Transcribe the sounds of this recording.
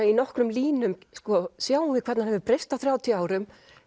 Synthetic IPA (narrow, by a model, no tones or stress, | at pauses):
inɔhkɾʏmliːnʏmskɔsjaːwvɪkʰɛɾt̪nanɦɛvðɪpɾejst̪aθɾjaːwt̪ʰiaːwɾʏm